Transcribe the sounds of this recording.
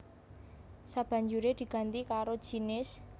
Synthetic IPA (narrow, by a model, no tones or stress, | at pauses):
sab̥ä̤ɲd͡ʒuɾed̪̥i̤ɡ̥a̤nt̪ikaɾo̥ʒ̥inɪs